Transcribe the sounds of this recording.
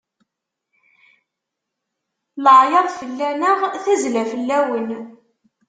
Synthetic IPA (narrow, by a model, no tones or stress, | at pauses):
ləʕjəðˤfəlːænəʁθæzlæfəlːæwən